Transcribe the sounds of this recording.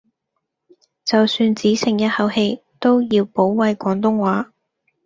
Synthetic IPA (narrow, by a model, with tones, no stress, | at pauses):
t͡sɐ˨wsyː˧nt͡siː˨˥sɪ˨˩ŋjɐ˥t̚hɐ˨˥whe˧j | t̪o˥wjiː˧wpo˨˥wwɐ˧jkʷɔː˨˥ŋt̪ʊ˥ŋwaː˨˥